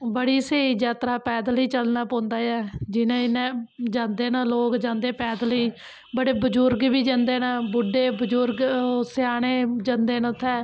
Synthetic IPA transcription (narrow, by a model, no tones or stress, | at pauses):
bəɽiːseːiːd͡ʒjaːt̪ɾaːpɛːd̪liːt͡ʃəlnaːpõːnd̪aːjɛːd͡ʒɪnẽːɪnẽːd͡ʒãːnd̪eːnaːloːkd͡ʒãːnd̪eːpɛːd̪liː | bəɽeːbəd͡ʒʊɾɡbiːd͡ʒãnd̪eːnaːbʊɖeːbəd͡ʒʊɾɡsɪaːɽ̃eːd͡ʒənd̪eːnt̪ʰːɛː